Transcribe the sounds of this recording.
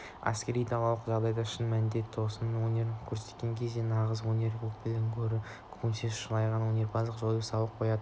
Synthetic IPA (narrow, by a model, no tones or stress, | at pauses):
æ̰skʲe̞ɾijt̪ʰɑlˠɑlˠəqʒɑʁd̪ɑjd̪ɑɪʃɪnmælnd̪e̞t̪t̪ʰːo̞sənwonʲe̞ɾkʲʰɵɾse̥t̪kʲe̞ŋkʲʰe̞zd̪e̞nɑʁəzwonʲe̞ɾupʲʰɪlɪŋkʲʰɵɾɪ | kʰunsezʃəlˠɑjʁɑnwonʲe̞ɾpʰɑzəqʒoj̪ˠəsɑlˠəp̚qʰo̞jɑd̪ə